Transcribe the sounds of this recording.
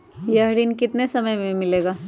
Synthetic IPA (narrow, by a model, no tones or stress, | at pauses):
jɐɦɽinkɪt̪nesɐməjmẽmɪleːɡaː